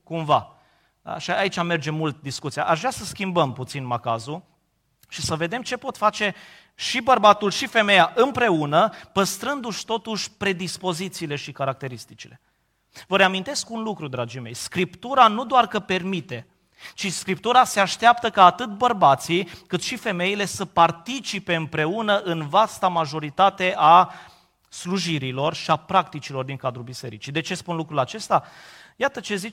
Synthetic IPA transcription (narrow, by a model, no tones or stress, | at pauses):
kumva̰ | ʃaait͡ʃʲame̞rd͡ʒe̞mult̪̚d̪iskut̪sia̰ʔaʒvɾasəskʲimbəmput̪sinmakazu | ʃisəve̞d̪e̞mt͡ʃe̞po̞t̪fat͡ʃe̞ | ʃibərbat̪ulʃife̞me̞jaʔɨmpɾe̞unəpəst̪ɾɨnd̪uʃt̪o̞t̪uʃʲpɾe̞d̪ispo̞zit̪siːle̞ʃikaɾak̚t̪e̞ɾist̪it͡ʃile̞ | vəɾeamint̪e̞skunlukɾud̪ɾad͡ʒime̞jskɾipt̪uɾanud̪oarkəpe̞rmit̪e̞ | t͡ʃiskɾipt̪uɾase̞aʃt̪eapt̪əkaːt̪ɨt̪bərbat̪sikɨt̪ʃife̞me̞ile̞səpart̪it͡ʃipe̞ɨmpɾe̞unəʔɨnvast̪amaʒo̞ɾit̪at̪e̞ʔa | sluʒiɾilo̞rʃiapɾak̚t̪it͡ʃilo̞rd̪iŋkad̪ɾulbise̞̰ɾit͡ʃid̪e̞t͡ʃe̞spunlukɾulat͡ʃe̞st̪a | jat̪ət͡ʃe̞zit͡ʃ